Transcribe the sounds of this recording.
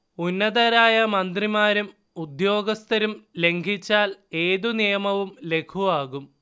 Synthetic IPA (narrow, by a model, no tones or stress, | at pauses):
unːɐðɐɾaːjɐmɐnd̪rimaːɾum | ud̪jo̞ːɡɐst̪ɐɾumle̞ŋɡʱit͡ɕːaːle̞ːðunijɐmɐʋumle̞kʰuʋaːɣum